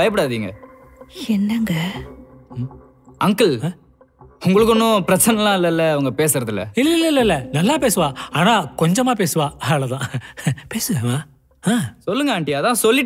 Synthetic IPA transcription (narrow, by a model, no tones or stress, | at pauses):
ɐjɐp̬ɪɽaːðiːŋɡɐ | ɛnːɐŋɡɐ | ɐŋkɐɭː | ʊŋɡɐɭɯk̬ːʊnːʊ̃pɪɾɐt͡ʃːɐnɐlãːɪlːɐɪlːɐɐʋɐŋɡɐpeːsɪɾɐðɯlːɐ̰ɪlːɐɪlːɐɪlːɐɪlːɐnɐlːaːpeːsɯʋãːaːnaːkɔɲd͡ʒɐmaːp̬eːsɯʋãːɐɐlɐt̪ãːpeːsɯʋẽːmaː | ãːsɔlːɯŋɡɐaːɳʈɪːðãːsɔlːɪ